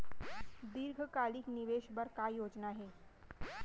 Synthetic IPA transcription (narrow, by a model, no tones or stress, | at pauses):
d̪iɾɡʱəkalikniʋeːʃbəɾkaːjoːd͡ʒnaɦeː